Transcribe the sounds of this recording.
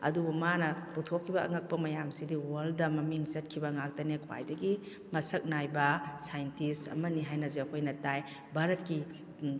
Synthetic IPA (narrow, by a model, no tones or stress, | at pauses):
ɐ̰dubumanɐputʰokʰːibɐʔɐ̰ŋɐk̚pɐmɐjamsidiwaldɐmɐmiŋzɐt̚kʰibɐŋak̚tɐnekʰwa̰jdɐɡi | mɐsɐk̚najbɐsajntisɐ̰mɐniɦajnɐzeɐkʰojnɐtaj | baɾɐt̚ki